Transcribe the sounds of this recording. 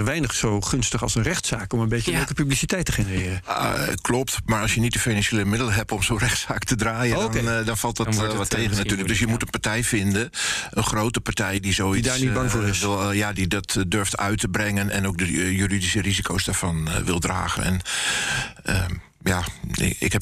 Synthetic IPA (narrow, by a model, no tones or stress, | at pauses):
ʋɛjnəχsowχɵnstəχɑ̰lˠsənrɛχtsaːkɔmənbeəɛlˠkəpyblisitɛjtəχɪnərɪːrəklɔp̚tmaɹɑlˠsjənitdəfinanʃeːləmɪdələɦɛpɔmsorɛxtsaːktədraːjədɔndɔnfɑlˠtdəʋɔtːeːɣənnatyːləɡdøsjəmutənpaɹtɛjfɪndənʔənχroːtəpaɹtɛjdizowidnibɑŋvoːɪsɪlˠjadidɔtdøɹftʰœ̰ɥtəbrɛŋənɛnowk̚dəjyridisərizikʰowsdaːɹfɔnʋɪlˠdra̰ːɣənɛ̰n | ə | jaɪ̰khɛp